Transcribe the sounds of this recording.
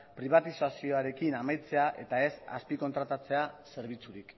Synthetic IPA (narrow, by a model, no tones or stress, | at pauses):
pɾiβ̞at̪isasio̞aɾe̞kinamajt͡se̞aʔe̞t̪ae̞sa̰spiko̞nt̪ɾat̪at͡se̞ase̞ɾβ̞it͡suɾik